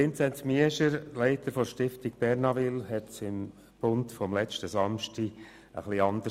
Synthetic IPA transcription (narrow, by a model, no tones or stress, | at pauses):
ɪnt͡sɛntmiəʃəɾlɛɪtəɾfɔʃtɪftiɡ̚b̥ɛɾnɑvɪlɦɛtsɪm | b̥ʊntfɔmlɛt͡ʃtəsɑmʃti | ə̰χliɑnd̪ə